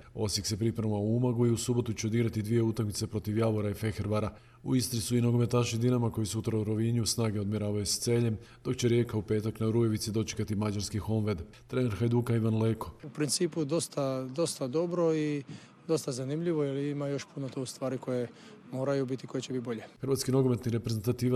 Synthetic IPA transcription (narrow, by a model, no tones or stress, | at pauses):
o̞sjikse̞pɾipɾauʋauumaɡuiusubo̞t̪ut͡ɕeod̪iːɡɾat̪id̪ʋije̞uːt̪akmit̪se̞pɾo̞t̪iʋjaʋoɾaife̞xeɾʋaɾa | ṵist̪ɾisuinoɡo̞me̞t̪aʃid̪inamako̞jisut̪ɾauɾo̞ʋiɲusnaːɡeo̞d̪miɾaːʋajust̪se̞ːʎe̞md̪̥o̞kt͡ɕe̞ɾje̞kaupe̞ːt̪aknaɾuje̞ʋit̪sid̪o̞t͡ʃe̥kat̪imad͡ʑaɾskixo̞nʋed̪ | t̪ɾe̞neɾxajd̪ukaiʋanleːkoupɾint̪siːpud̪o̞st̪ad̪o̞st̪ad̪o̞bɾoi | d̪o̞st̪azanimʎiʋojeliimajo̞ʃpunot̪oust̪ʋaːɾiko̞je | mo̞ːɾajubit̪iko̞jet͡ɕebit̪̚bo̞ʎexɾʋat̪skino̞ɡo̞me̞t̪niɾe̞pɾe̞zent̪at̪iːʋa